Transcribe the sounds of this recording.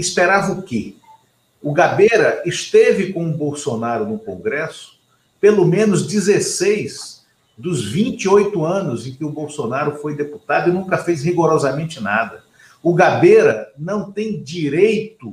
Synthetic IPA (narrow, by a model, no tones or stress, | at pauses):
ɪspeɾavɐʊkɪ | ʊɡabeɾɐɪst̪evɪkõw̃ʊbowsonaɾʊnʊkõɡɾɛsʊ̥ | pelomẽnʊzd͡ʒizesejz | d̪ʊzvĩnt͡ʃiojt̪ʊɐ̃nʊzẽj̃kɪʊbowsonaɾʊfojd̪eput̪ad̪ʊɪnũkɐfejzhiɡoɾɔzɐmẽnt͡ʃɪnad̪ɐ | ʊɡabeɾɐnɐ̃w̃t̪ẽj̃d͡ʒiɾejt̪ʊ